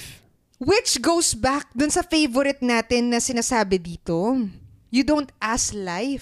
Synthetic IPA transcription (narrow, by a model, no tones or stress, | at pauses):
wɪt͡ʃɡowsbak̚d̪ʊnsɐfejvoɾɪt̪̚naːt̪ɪnːɐsɪnaːsaːbɛd̪iːt̪o̞ | jʊd̪ownt̪̚ʔaslajf